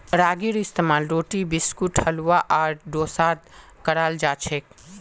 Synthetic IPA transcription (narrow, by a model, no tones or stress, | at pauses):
ɾaːɡiɾɪst̪emaːlɾoːʈibɪskuʈhɐlʋaʔaːɾɖoːsaːd̪̚ | kɐɾaːld͡ʒaːt͡ʃʰek̚